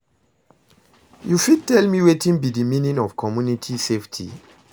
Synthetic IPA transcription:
jufid̚tɛlmiwetĩnbidimĩnĩnɔv̥kʰɔmjunitʰiseftʰḭ

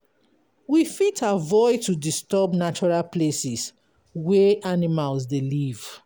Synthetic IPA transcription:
wifitʰavɔɪtudistɔbnat͡ʃɔɹalplesis | wɛʔanimalsdeliv

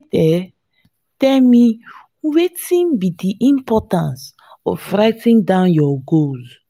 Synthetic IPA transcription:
tɛ | tɛlmi | wetĩnbidiʔĩmpɔtãns | ɔ̰ffɾaɪtĩndãnjɔɡoz

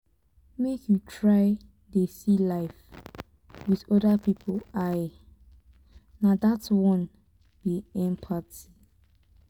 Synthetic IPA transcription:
mekʰjutʰɹaɪ | desilaɪf | wiðɔdəpipʰolaɪ | nadatwɔ̃n | b̥iɛ̃mpʰati̥

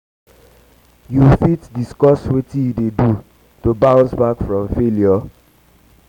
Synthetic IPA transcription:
jufitdiskɔswetijudedu | tobãʊ̃nsbakfɹɔ̃mfeljɔ

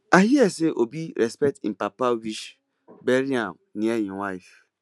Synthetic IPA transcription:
ahieseʔobiɾɛspɛtḭm̩papawiʃ | beɾiam | nĩejĩwajf

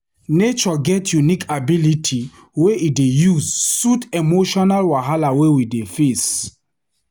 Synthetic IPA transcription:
net͡ʃɔɡɛtjunikʰabilitʰi | weʔidejuzsutemoʃɔnalwaɦalawewidefes

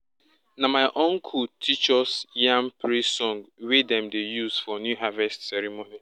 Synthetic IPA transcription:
namaɪʔɔ̃ŋkʰutʰit͡ʃɔsjãmpɾisɔ̃ŋɡwedɛ̃mdejuzfɔnjuɦavɛstsɛɾimoni

